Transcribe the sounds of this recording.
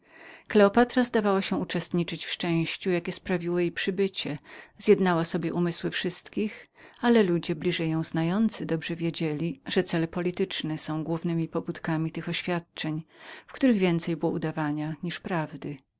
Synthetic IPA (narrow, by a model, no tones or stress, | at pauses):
klɛɔpat̪ɾazd̪avawaɕɛut͡ʂɛst̪ɲit͡ʂɘt͡ɕfʂt͡ʂɛ̃w̃ɕt͡ɕujakʲɛspɾavʲiwɔjejpʂɘbɘt͡ɕɛzjɛd̪nawasɔbʲjɛʔumɘswɘfʂɘst̪kʲixalɛlud͡ʑɛblʲiʐɛjɔ̃w̃znajɔnt̪sɘd̪ɔbʐɛvʲjed͡ʑelʲiʐ̥ɛt̪sɛlɛpɔlʲit̪ɘt͡ʂnɛsɔ̃w̃ɡwuvnɘmʲipɔbut̪kamʲit̪ɘxɔɕfʲjat̪̚t͡ʂɛɲfkt̪uɾɘɣvʲjɛnt̪sɛjbɨwɔud̪avaɲaɲiʂpɾavd̪ɘ